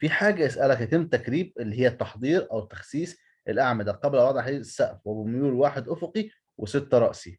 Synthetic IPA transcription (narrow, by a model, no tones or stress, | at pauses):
fiħaːɡæʔesʔælækhæt̪emːt̪ækɾiːb̚ʔelːihejːæt̪ːɑħd̪ˤiːɾʔæwet̪ːæ̥xsiːs | ʔelʔaʕmæd̪æqɑblwɑd̪ˤʕħd̪iːesːæʔfwebmjuːlwaːħed̪ʔofoqi | wʔeset̪ːæɾˤɑʔsi